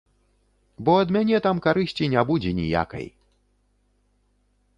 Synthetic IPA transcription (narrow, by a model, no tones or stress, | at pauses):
bɔɐd̪mʲanʲɛt̪amkaɾɨɕʲt͡sʲinʲabud͡zʲɛnʲḭja̰kɐ̰j